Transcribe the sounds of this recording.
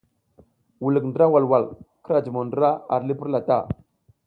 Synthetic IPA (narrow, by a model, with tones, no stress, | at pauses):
wu˨lə˨kndə˦ɾa˦wa˨lwa˨lkə˦ɾa˨d͡ʒə˨mo˨ndə˦ɾa˦a˨ɾli˦pə˦ɾla˨ta̰˦˨